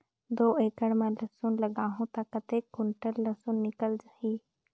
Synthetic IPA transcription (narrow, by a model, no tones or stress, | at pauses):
d̪oːeːkəɽmãlɐsunləɡaːɦũt̪akət̪ekːʊɳʈəɾlɐsunːɪkəld͡ʒaɦiː